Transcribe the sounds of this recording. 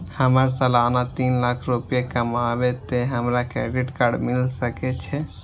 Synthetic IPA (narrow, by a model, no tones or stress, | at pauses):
həməɾsəlanat̪inlakʰɾupijekəmabet̪eɦəmɾakɾɛ̰ɖiʈkaɾɖmilsəkɛt͡ʃʰɛ